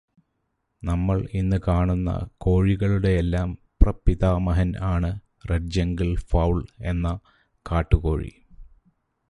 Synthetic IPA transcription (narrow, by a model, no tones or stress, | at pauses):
nɐmːɐɭinːɨkaːɳunːɐ̰ko̞ːɻiɣɐɭuɽe̞ːlːaːmprɐpiðaːmɐɦɐnaːɳɨ | reʈ̚d͡ʑɐŋɡilfɐwɭe̞nːɐ | kaːʈːuko̞̰ːɻḭ